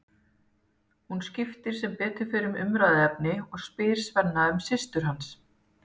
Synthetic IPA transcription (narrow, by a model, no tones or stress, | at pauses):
hunscɪft̪ɪɾ̥sɛmpɛːt̪ʏɾ̥fɪɾʏmʏ̰mɾaːðɪɛp̚nɪɔɣspɪːɾ̥svɛnːaʏmsɪst̪ʏɾ̥ɦans